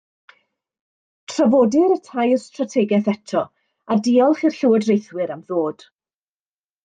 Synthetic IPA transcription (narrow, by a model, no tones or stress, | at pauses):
tʰravɔːdɪɾətʰajstratʰɛɡɛθɛtʰɔ | adiːɔlˠχirɬɪwɔdrejθwɨɾamðoːd̥